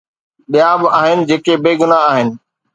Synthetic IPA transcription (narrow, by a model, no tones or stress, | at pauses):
ɗijãːbaːɦɪnɪ̆d͡ʑeːkebeːɡʊnaaːɦɪnɪ̆